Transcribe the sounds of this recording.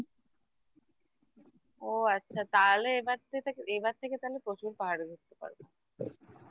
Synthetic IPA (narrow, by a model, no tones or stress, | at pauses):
oatːɕʰat̪aleebaɾt̪ʰeeebaɾt̪ʰeket̪alepɾot͡ɕuɾpaɦaɽed̪ʱikt̪ːepa̰ɾbe